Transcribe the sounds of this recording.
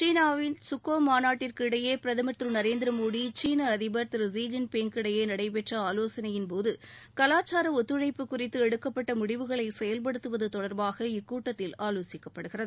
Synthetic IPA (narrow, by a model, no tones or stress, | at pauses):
t͡ʃiːnaːʋɪnsʊkːoːmaːnaːʈːɪrkɪɽɐjeːpɪɾɐðɐmɐt̪ɾɯnɐɾeːnd̪ɪɾɐmoːðit͡ʃiːnɐɐðɪbɐɾt̪ɪɾɯsiːd͡ʒɐnpɛŋkɪɽɐjeːnɐɽɐɪpɛʈrɐaːloːsɐnɐjɪnpoːðɯkɐlaːt͡ʃːaːɾɐɔt̪ːɯɻɐɪpːɯkːʊrɪt̪ːɯɛɽɯkːɐpːɐʈːɐmʊɽɪʋɯɣɐɭɐɪsɛjɐlp̬ɐɽɯt̪ːɯʋɐðɯt̪ɔɽɐɾbaːɣɐɪkːuːʈːɐt̪ːɪlaːloːsɪkːɐpːɐɽɯɣɪrɐðɯɯ